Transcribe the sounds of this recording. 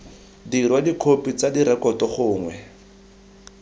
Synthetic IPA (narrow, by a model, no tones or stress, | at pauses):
dirwadikʰopit͡sadiɾɛkɔtɔχʊːŋwɛ